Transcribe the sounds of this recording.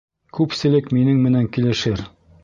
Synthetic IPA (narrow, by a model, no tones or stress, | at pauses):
kʉpsɘ̆lɘkminɘŋmɘ̆næŋkilɘ̆ʃɘɾ